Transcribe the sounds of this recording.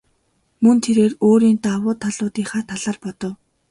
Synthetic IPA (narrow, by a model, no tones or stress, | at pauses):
mɵnt̪ʰeɾeːroːɾiːnt̪awʊːt̪ʰːaɮʊːt̪iːχaːt̪ʰaɮaːrpɔt̪ɞ̆w